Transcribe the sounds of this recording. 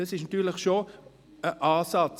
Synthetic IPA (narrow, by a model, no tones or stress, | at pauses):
əsɪʃnɑtyːɐlɪχʃo | əʔɑːsɑt͡s